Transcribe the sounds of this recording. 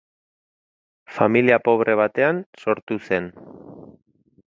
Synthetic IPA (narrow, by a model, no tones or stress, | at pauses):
familiapo̞β̞ɾʔe̞β̞at̪e̞anso̞ɾt̪use̞n